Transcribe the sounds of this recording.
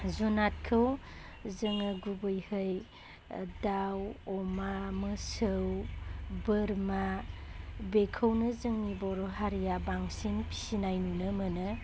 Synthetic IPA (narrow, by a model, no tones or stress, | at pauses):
zunat̚kʰɯw | zɯŋaɡubɯjhɯj | dawɔmamɯsɯwbɯɾma | bekʰəwnɯzɯŋnibɔɾɔɦaɾijabaŋsinpʰi̥sinajnunɯmɯnɯ